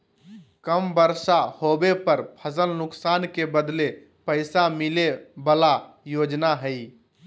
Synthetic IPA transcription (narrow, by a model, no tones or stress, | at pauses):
kəmbəɾsahobepəɾpʰəzəlnʊksankebəd̪le | pəɪsamilebəlajod͡ʒnaɦəi